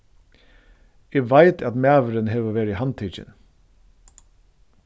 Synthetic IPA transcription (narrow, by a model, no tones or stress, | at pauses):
eːʋæɪt̪ʰɑt̪mæːʋəɾənɦeːʋoːʋeːɾiːhɑnt̪ʰit͡ʃə̰n